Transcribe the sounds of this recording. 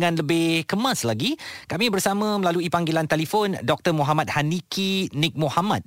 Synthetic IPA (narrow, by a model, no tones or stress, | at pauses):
ŋãnləbɪhkəmãslaɡikamĩbərsamə̃məlaluipaŋɡilant̪ɛlifondɔk̚t̪ərmoɦamat̪̚hanikʰinɪk̚mohamat̪̚